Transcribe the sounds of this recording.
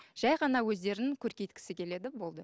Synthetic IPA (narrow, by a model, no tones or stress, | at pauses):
ʒ̥ɑjʁɑnɑwɵzd̪e̞ɾɪnɪŋkʲʰɵɾkʲe̞jt̪kʲɪ̥sɪkʲʰe̞le̞d̪ɪbo̞lˠd̪ə